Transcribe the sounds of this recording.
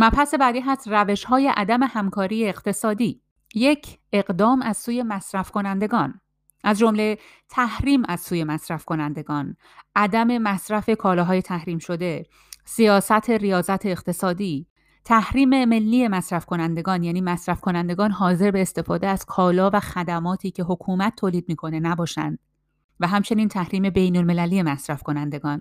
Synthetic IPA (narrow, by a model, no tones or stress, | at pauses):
mæpʰæse̞bæːd̪iːɦæst̪ræve̞ʃhɒːje̞ʔæd̪æme̞hæmkʰɒːɾiːjeeqt̪ʰe̞sɒːd̪iː | je̞cʰe̞ɢd̪ɒːmæz̥suːje̞mæsɾæfko̞nænd̪e̞ɡɒːn | ʔæzd͡ʒo̞mle̞ | t̪ʰæhɾiːmæz̥suːje̞mæsɾæfkʰo̞nænd̪e̞ɡɒːn | ʔæd̪æme̞mæsɾæfe̞kʰɒːlɒːɦɒːje̞t̪ʰæhɾiːmʃo̞d̪e̞ | sijɒːsæt̪ʰe̞rijɒːzæt̪ʰeːqt̪ʰe̞sɒːd̪iː | t̪ʰæhɾiːme̞me̞lːiːe̞mæsɾæfkʰo̞nænd̪e̞ɡɒːnjæːniːmæsɾæfkʰo̞nænd̪e̞ɡɒːnɦɒːze̞ɾbe̞ːst̪e̞fɒːd̪eæz̥kʰɒːlɒːvæxæd̪æmɒːt̪ʰiːcʰe̞ɦokʰuːmæt̪ʰːoːliːd̪̚miːkʰo̞ne̞næbɒːʃæ̰nd̪̥̚ | væɦæmt͡ʃʰe̞niːnt̪ʰæhɾiːme̞be̞jnolme̞læliːje̞mæsɾæfko̞nænd̪eɡɒːn